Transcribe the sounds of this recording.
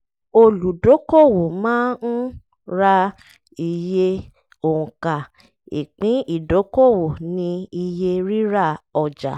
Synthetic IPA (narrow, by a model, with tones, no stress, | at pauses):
o˧lu˨do˨˦ko˦˨wo˨mãː˦n̩˦ | ɾa˧ | i˧je˦ | o˨ũ˨ka˨ | ḭ˨k͡pĩ˨˦i˦˨do˨˦ko˦˨wo˨nĩ˧i˧je˧ɾi˦ɾa˦˨ɔ˨d͡ʒa̰˨